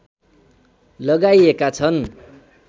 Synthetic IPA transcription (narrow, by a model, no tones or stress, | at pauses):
lʌɡajekat͡sʰʌn